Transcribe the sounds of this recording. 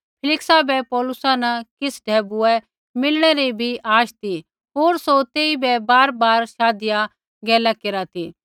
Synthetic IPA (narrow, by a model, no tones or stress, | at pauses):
pʰɪlɪksabɛpɔːlʊsanɐkɪsɖʱɛːbʊɛ | mɪlɽ̃ɛɾebʱiʔaːʃt̪i | ɦoːɾsot̪eːibɛbaːɾbaːɾʃaːd̪ɪja | ɡɛːlakeɾat̪iː